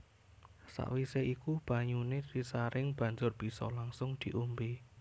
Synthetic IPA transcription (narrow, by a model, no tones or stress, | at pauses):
sa̰ʔwiseikub̥a̤ɲuned̪̥isaɾɪŋb̥a̤ɲd͡ʒʊrb̥i̤sɔ̰laŋsʊŋd̪̥i̤ʔumbe